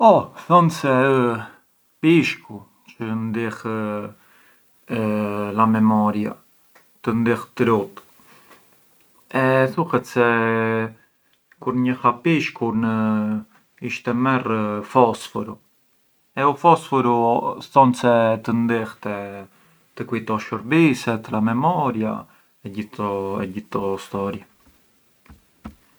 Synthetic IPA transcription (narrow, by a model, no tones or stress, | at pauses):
ɔθɔnsɛ | piʃku | t͡ʃənd̪ɛx | lamɛmɔɾja̰ | t̪ənd̪ɛxt̪ɾut̪ | ɛθuhɛt̪sɛ | kuɾɲəhapiʃkuɾnə | iʃt̪ɛmɛrfɔsfɔɾu | ɛufɔsfɔɾuθɔnsɛt̪ənd̪ɛht̪ɛ | t̪əkujt̪ɔʃəɾbisɛt̪ɾamɛmɔɾja̰ | ɛɟiɔɛɟiθɔst̪ɔɾja